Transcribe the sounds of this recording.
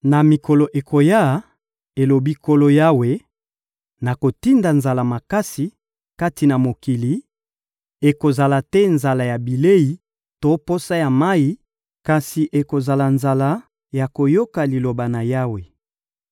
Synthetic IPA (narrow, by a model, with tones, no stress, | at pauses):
na˨mi˨kɔ˨lo˨ʔe˨kʰo˨ja˦˨˦ | e˨lo˨bi˦ko˦lo˦ja˦we˨ | na˨ko˨ti˦nda˨nza˨la˨ma˨ka˦si˨ | ka˦ti˨na˨mo˨ki˨li˨ | e˨ko˨za˨la˨tɛ˦nza˨la˨ja˨bi˨le˦i˨ | to˦po˦sa˦ja˨ma˦i˦ | ka˨si˨ʔe˨ko˨za˨la˨nza˨la˦ | ja˨ko˨jo˦ka˨li˨lo˨ba˨na˨ja˦we˨